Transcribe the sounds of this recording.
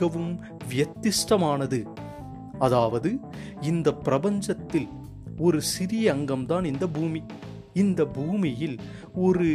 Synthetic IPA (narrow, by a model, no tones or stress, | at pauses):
ɐʋɯm | ʋjɐt̪ːɪʂʈɐmaːnɐðɯ | ɐðaːʋɐðɯ | ɪnd̪ɐpːɪɾɐbɐɲd͡ʒɐt̪ːɪl | ɔɾɯsɪɾɪjɐɐŋɡɐmt̪aːnɪnd̪ɐbʱuːmi | ɪnd̪ɐbuːmɪjɪl | ɔɾɯ